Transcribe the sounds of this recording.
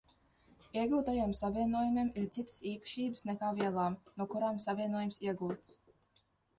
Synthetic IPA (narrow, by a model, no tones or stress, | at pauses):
iɛɡuːt̪ajamsaviɛnuɔjumimiɾt̪sit̪ə̥siːpə̥ʃiːbɨsnɛkaːviɛlˠaːmnuɔkuɾaːmsavʲiɛnuɔjumsiɛɡuːt̪s